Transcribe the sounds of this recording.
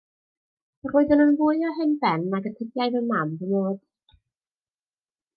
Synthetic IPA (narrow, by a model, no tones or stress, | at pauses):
roːɨðənənvʊɨɔɦɛnbɛnːaɡətʰəbjajðəmamdənoːd̥